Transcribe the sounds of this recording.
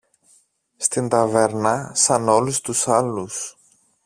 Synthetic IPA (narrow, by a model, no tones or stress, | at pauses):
st̪int̪ɐveɾnɐsɐno̞lust̪usɐlus